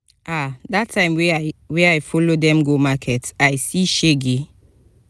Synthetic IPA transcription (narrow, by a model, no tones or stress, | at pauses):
ʔadatʰːãɪ̃mwɛwɛajfɔlodɛ̃mɡomakʰɛtajsiʃeɡe